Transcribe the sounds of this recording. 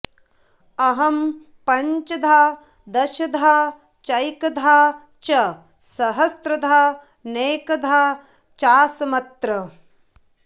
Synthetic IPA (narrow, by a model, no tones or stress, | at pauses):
ɐɦɐm | pɐɲt͡ʃɐd̪ʱaː | d̪ɐʃɐd̪ʱaː | t͡ʃɐjkɐd̪ʱaː | t͡ʃɐ | sɐɦɐst̪ɾɐd̪ʱaː | neːkɐd̪ʱaː | t͡ʃaːsɐmɐt̪ɾɐ